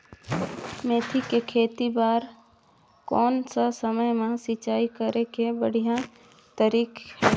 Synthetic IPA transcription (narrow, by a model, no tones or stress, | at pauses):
meːt̪ʰikekʰeːt̪ibaːɾ | kɔːnsasəməjmẽsɪt͡ʃaːikəɾekebəɽ̤ijã | t̪əɾiːk